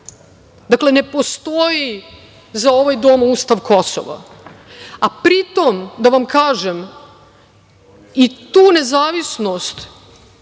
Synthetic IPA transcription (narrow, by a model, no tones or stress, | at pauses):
d̪akle̞ne̞po̞st̪oji | zao̞ʋajd̪oːmust̪aʋkʰo̞so̰ʋa̰ | apɾit̪omd̪aʋamkaːʒem | it̪uːne̞zaːʋisnost̪